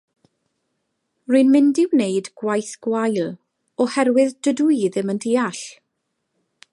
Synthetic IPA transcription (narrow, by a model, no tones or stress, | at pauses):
rinmɪndɪwnejdɡ̥wajθɡ̥wajlˠ | ɔhɛɾwɪðd̥ədujðɪməndiːaɬ